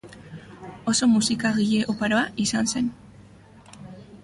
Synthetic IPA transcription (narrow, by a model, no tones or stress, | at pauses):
o̞so̞musikaɣiʎe̞ʔopaɾoaʔisanse̞n